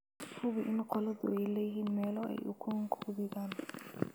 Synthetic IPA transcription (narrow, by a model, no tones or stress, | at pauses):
hʰʊβɪʔɪnqɔlɐðʊ̰ʔɛjlɛjɦiːnmɛːlɔʔɛ̰jʔʊ̰kʰʊŋkʰʊðɪɣaːn